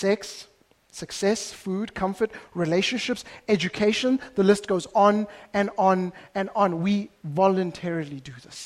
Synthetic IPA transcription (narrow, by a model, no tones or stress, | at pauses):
sɛksː | əksɛsfuːdkʰʌ̃ɱfətɹileʃə̃nʃɪpsɛd͡ʒukʰeɪʃə̃nðəlɪst̚ɡ̥oʊzɔ̃nɛ̃nɔ̃nɛ̃nɔ̃nwivɔlə̃ntʰɛɹilidɨðɪs